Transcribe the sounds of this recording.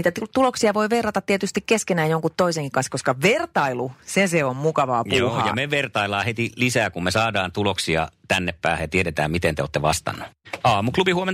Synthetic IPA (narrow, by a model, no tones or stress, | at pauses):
iːt̪æt̪ut̪uloksiɑʋoiʋerːɑt̪ɑt̪t̪ːiet̪yst̪ikkeskenæːjjoŋkut̪t̪oiseŋkikɑnskoskɑʋert̪ɑiluseseommukɑʋɑːpuojɑmeʋert̪ɑilːˑɑːhet̪ilisæːkummesɑːdɑːnt̪uloksiɑ̰t̪ænːeppæːhjɑt̪ieɾet̪æ̰ːmmit̪ent̪eo̰ːt̪ːeʋɑ̰st̪ɑ̰nːuɑːmuklubihuomen